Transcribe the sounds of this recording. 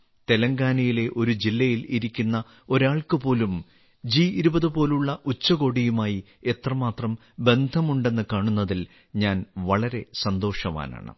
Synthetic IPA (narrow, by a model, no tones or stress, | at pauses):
t̪e̞lɐŋɡaːnɐjile̞ʔo̞ɾud͡ʑilːɐjiliɾikʲːunːɐ | o̞ɾaːɭkɨpo̞ːlum | d͡ʑiiɾubɐðɨpo̞ːluɭːɐʔut͡ɕːɐɣo̞ːɽijumaːji | e̞t̪rɐmaːt̪rɐm | be̞nd̪ʱɐmuɳɖe̞nːɨkaːɳunːɐðil | ɲaːnʋɐɭɐɾe̞sɐnd̪o̞ːʂɐʋa̰ːna̰ːɳɨ̰